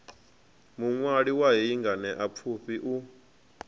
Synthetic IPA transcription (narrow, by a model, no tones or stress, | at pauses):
muŋwaɺiwaɦiiŋɡanɛʔap̪fʰuɸiʔu